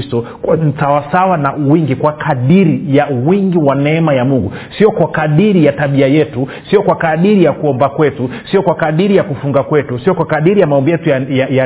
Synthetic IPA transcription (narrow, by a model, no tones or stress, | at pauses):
stɔ | n̩tawasawanawiŋɡikwakʰaɗiɾijawiŋɡiwanɛɛmajamuŋɡu | siɔkwakaɗiɾijataɓiajɛtu | siɔkwakaɗiɾijakuɔmbakwɛtusiɔkwakaɗiɾijakufuŋɡakwɛtusiɔkwakaɗiɾijamaɔmbijɛtuaja